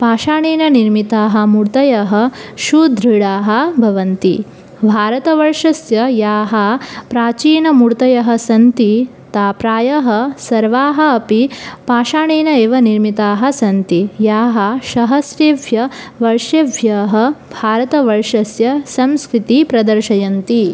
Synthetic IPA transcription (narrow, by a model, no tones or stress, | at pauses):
paːʃaːɳeːnɐniɾmit̪aːɦɐ̆muɽt̪ɐjɐɦɐ̆ʃud̪ɾiɽaːɦɐ̆bʱɐʋɐnt̪ḭ | bʱaːɾɐt̪ɐʋɐɾʂɐsjɐjaːɦɐpɾaːt͡ʃiːnɐmuɽt̪ɐjɐɦɐ̆sɐnt̪i | t̪aːpɾaːjɐɦɐsɐɾʋaːɦɐ̆ːpipaːʃaːɳeːnɐeːʋɐniɾmit̪aːɦɐ̆sɐnt̪ijaːɦɐ̆ʃɐɦɐsɾeːʋʱjɐʋɐɾʃeʋʱjɐɦɐ̆bʱaːɾɐt̪ɐʋɐɾʂɐsjɐsɐmskɾɪt̪ipɾɐd̪ɐɾʃɐjɐnt̪i